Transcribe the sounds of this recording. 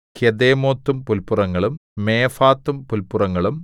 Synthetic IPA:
kjed̪eːmoːt̪ːumpulpurɐŋːɐɭumːeːfaːt̪ːumpulpurɐŋːɐɭum

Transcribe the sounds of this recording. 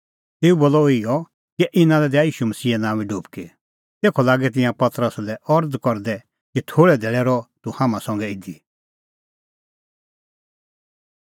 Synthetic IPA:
t̪eːuboːlɔɪɔ | kiʔɪnãlɛd̪ɛajiːʃuməsiːɛnãːʋĩɖuːpke | t̪eːkʰɔlaːɡɛt̪̬ɪ̃jãpɐt̪ɾəslɛʔɔɾd̪kɔɾd̪ɛ | kit̪ʰoːɭɛd̪ʱeːɭɛɾɔt̪uhaːmãsɔ̃ŋɡɛɪd̪i

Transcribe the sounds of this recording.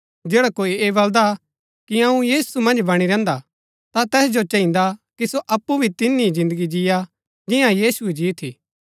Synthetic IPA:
d͡ʒeːɽakoːieːbɐld̪a | kiɐũjiːsumɐ̃nd͡ʒbɐɽ̃iɾɛ̃ːnd̪a | t̪at̪ɛːsd͡ʒot͡ʃɐ̃ɦĩnd̪akisoʔɐpːubʱit̪ɪnːizɪ̃nd̪əɡid͡ʒɪja | d͡ʒɪjãjiːsued͡ʒit̪ʰiː

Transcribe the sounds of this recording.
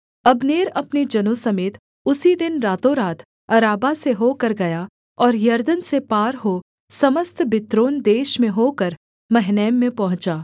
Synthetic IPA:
ɐbneːɾɐpned͡ʒɐnosɐmeːt̪ | ʊsid̪ɪnɾaːt̪õɾaːt̪ʰ | ɐɾaːbaseɦoːkɐɾɡɐja | ɔːɾjɐɾd̪ənsepaːɾɦo | sɐməst̪bɪt̪ɾoːnd̪eːʃmẽɦoːkəɾ | mɐɦnɛːmːẽpɐɦʊ̃t͡ʃaː

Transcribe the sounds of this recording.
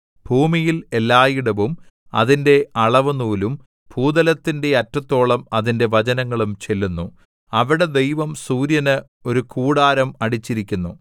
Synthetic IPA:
b̥ʱuːmijilelːaːjiɽɐʋum | ɐ̰ðinde̞ʔɐɭɐʋɐnuːlum | bʱuːd̪ɐlɐt̪ːinde̞ɐtrɐt̪ːo̞ːɭɐmɐðinde̞ʋɐd͡ʑɐnɐŋːɐɭumt͡ɕe̞lːunːu | ɐʋiɽe̞d̪e̞jʋɐmsuːɾjɐnɨ | o̞ɾukʰuːɽaːɾɐmɐɽit͡ɕːiɾikʲːunːu

